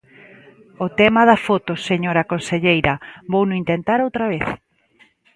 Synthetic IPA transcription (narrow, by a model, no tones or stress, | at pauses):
ot̪ɛmɐðɐfot̪oseɲoɾɐkonseʎejɾɐβownʊint̪ent̪aɾowt̪ɾɐβeθ